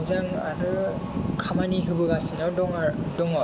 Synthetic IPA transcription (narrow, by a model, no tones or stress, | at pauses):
zaŋa̰ɾɯkʰamaniɦɯbɯɡasinawdɔŋadɔŋa